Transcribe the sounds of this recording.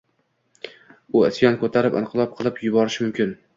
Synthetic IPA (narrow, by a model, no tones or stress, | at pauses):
ʊɪsjɒnkʰot̪ʰaɾɪpɪ̰nqʰɨlˠɒp̚qʰɨlˠɪpjʊbɒɾɪʃmʊmkʲɪn